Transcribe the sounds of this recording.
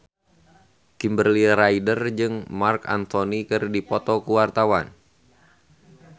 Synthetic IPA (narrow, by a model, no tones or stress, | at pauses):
kimbərliɾaidərd͡ʒɨŋmarka̰nt̪onikɨrdipɔt̪ɔkuwart̪awan